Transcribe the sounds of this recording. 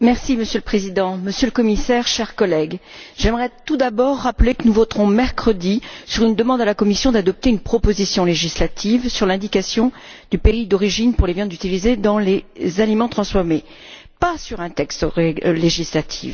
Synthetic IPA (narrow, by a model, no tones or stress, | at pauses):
mɛʁsiməsjøləpχezid̪ɑ̃məsjøləkɔmisɛʁʃɛʁkɔlɛɡʒ̥ɛmʁɛt̪ud̪abɔʁːaplekənuvɔt̪χɔ̃mɛʁkχəd̪isyʁynd̪əmɑ̃d̪alakɔmisjɔ̃d̪ad̪ɔp̚t̪eynpχɔpozisjɔ̃leʒislat̪ʰivsyʁlɛ̃d̪ikasjɔ̃ | d̪̥ypeid̪ɔʁiʒinpuʁlevjɑ̃d̪zyt̪ilized̪ɑ̃lezalimɑ̃t̪χɑ̃sfɔʁme | pasyʁɛ̃t̪ɛkst̪ʁɛleʒislat̪ʰḭv